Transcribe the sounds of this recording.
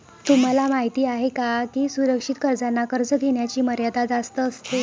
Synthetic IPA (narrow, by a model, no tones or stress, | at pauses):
t̪um̤alamaɦit̪iːaɦekakiːsuɾəkʂit̪kəɾd͡zanːakəɾd͡zəɡ̪ʱeɳjat͡ɕiːməɾjad̪ad͡zast̪əːst̪e